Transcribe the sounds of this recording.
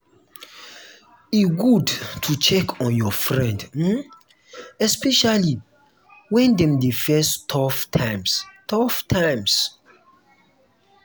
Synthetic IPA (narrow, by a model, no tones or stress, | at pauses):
iɡudtʰut͡ʃɛkʰɔ̃njɔfɹɛ̃ndm̩ | ɛspɛʃali | wɛ̃ndɛ̃mdefɛstʰɔftʰãɪmstʰɔftʰãjms